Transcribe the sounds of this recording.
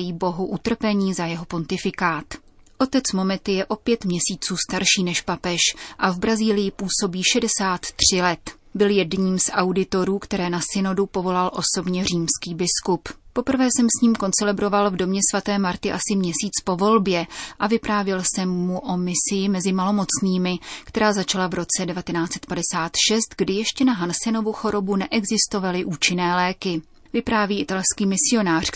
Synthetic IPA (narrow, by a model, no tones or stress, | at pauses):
jiːbo̞ɦuʔut̪r̩pɛɲiːzajɛɦo̞po̞nt̪ɪfɪkaːt̪ | ʔo̞t̪ɛt͡smo̞mɛt̪ɪjɛʔo̞pjɛt̪mɲɛsiːt͡suːst̪aɾʃiːnɛʃpapɛʃʔavbɾaziːlɪjɪpuːso̞biːʃɛdɛsaːt̪ːr̝̥ɪlɛt̪ | bɪljɛdɲiːmsʔawdɪt̪o̞ɾuːkt̪ɛɾɛːnasɪno̞dupo̞vo̞lalʔo̞so̞bɲɛr̝iːmskiːbɪskuppo̞pr̩vɛːsɛmsɲiːmko̞nt͡sɛlɛbɾo̞valvdo̞mɲɛsvat̪ɛːmaɾt̪ɪʔasɪmɲɛsiːt͡spo̞vo̞lbjɛʔavɪpɾaːvjɛlsɛmːuʔo̞mɪsɪjɪmɛzɪmalo̞mo̞t͡sniːmɪkt̪ɛɾaːzat͡ʃalavɾo̞t͡sɛdɛvat̪ɛnaːt͡sɛ̥t̪̚padɛsaːt̪ʃɛst̪ɡdɪjɛʃcɛnaɦansɛno̞vuxo̞ɾo̞bunɛʔɛɡzɪst̪o̞valɪʔuːt͡ʃɪnɛːlɛːkɪ | vɪpɾaːviːʔɪt̪alskiːmɪsɪo̞naːr̝̥